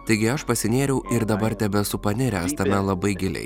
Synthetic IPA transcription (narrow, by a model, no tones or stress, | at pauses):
t̪ɐɪɡʲɪɐʃpɐsʲɪnʲeːɾʲɛʊɪɾd̪ɐbɐɾt̪ʲɛbʲɛsʊpɐnʲɪɾʲæːst̪ɐmʲɛlˠɐbɐɪɡʲɪlʲɛ̰ɪ